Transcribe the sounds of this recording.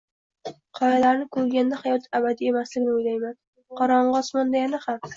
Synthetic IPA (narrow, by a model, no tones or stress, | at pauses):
qʰɒjalaɾnɪkʰɵɾɡʲand̪ahajɒt̪ʰabad̪ie̞maslɪɡʲnɪojlajman | qʰɒɾɒɴʁɒsmɒnd̪ajanaham